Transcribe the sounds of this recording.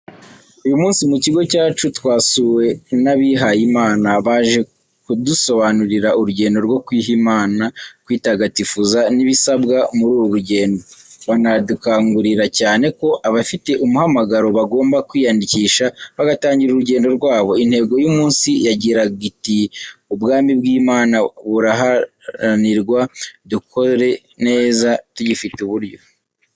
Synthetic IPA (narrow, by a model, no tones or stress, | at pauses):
ujumuːnsimuciɡo̞caːt͡ʃutwaːsuwe̞naβiɦajimaːnaβaːʒe̞ | kuduso̞βanuɾiɾauɾuɟe̞ːndo̞ɾɡo̞kwiːɦimaːnakwiːtaɡatifuzaniβisabɡamuɾuːwoɾuɟe̞ːndo̞βanadukaːŋɡuɾiɾacaːne̞ko̞ʔaβafite̞ʔumuhamaɡaɾo̞βaɡo̞ːmbakwiːjandiciːʃaβaɡataːɲɟiɾuɾuɟe̞ːndo̞ɾɡwaːβo̞inhe̞ːɡo̞jumuːnsijaɟiɾaɡitiubɡaːmibɡiːmaːnaβuɾaɦa | aniɾɡwadukʰo̞ɾe̞ | ne̞ːzatuɟifituβuɾɟo̞